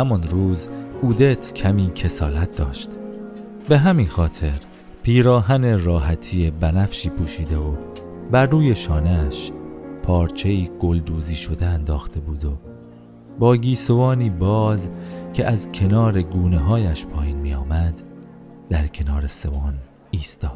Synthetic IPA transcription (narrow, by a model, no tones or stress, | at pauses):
hæmonɾuːzuːd̪e̞t̪ʰcʰæmiːcʰe̞sɒːlæt̪̚ʰd̪ɒːʃt̪ | be̞ɦæminxɒːt̪ʰe̞ɾ | pʰiːɾɒːɦæne̞rɒːɦæt̪ʰiːebænæfʃiːpʰuːʃiːd̪e̞o | bæɾːuːje̞ʃɒːneʃpʰɒːɾt͡ʃʰe̞iːɡ̥o̞ld̪uːziːʃo̞d̪e̞ænd̪ɒːxt̪ʰe̞buːd̪o̞ | bɒːɡiːsovɒːniːbɒːzcʰeʔæzcʰe̞nɒːɾe̞ɡuːne̞ɦɒːjæʃpʰɒːjiːnmiːjɒːmæd̪ | d̪̥æɾcʰe̞nɒːɾe̞se̞vɒːn | iːst̪ɒːd̪̥